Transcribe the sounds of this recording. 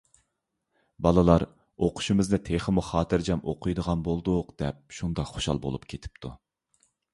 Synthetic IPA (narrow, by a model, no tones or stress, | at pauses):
bɑlˠɨlˠɑɾ | oqʰʊ̥ʃimɪznɨt̪ʰeχəmuχɑːt̪ʰɨɾd͡ʒɛmo̰qʰujd̪əʁɑnbolˠd̪uqd̪̥ɛp̚ʃund̪ɑχoʃɑ̰lˠbo̰lˠupkʲʰet̪ʰɪ̥pt̪ʰu